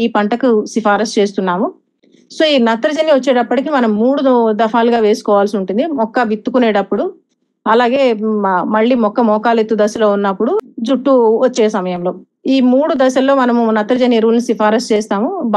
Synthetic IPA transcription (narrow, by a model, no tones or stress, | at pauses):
iːpɐɳʈɐkusipaːɾɐst͡ʃe̞ːst̪unːaːmu | soːiːnɐt̪ɾɐd͡ʒɐniʋɐt͡ʃːeːɽɐpːɐʈikimɐnɐmːuːɽud̪ɐfʰaːluɡaːʋe̞ːsu̥kɔːʋaːlsiuɳʈund̪imɔkːɐʋit̪ːukuneːɽɐpːuɽu | ɐlaːɡe̞ːmɐɭːiːmɔkːɐmɔːkaːlet̪ːud̪ɐsɐlo̞ːunːɐpːuɽud͡ʒuʈːuʋɐt͡ʃːɛːjɐsɐmɐjɐmlo̞ː | iːmuːɽud̪ɐʃɐlːo̞ːmɐnɐmunɐt̪ɾɐd͡ʒɐniɾuːlnisifaːɾɐst͡ʃeːst̪aːmub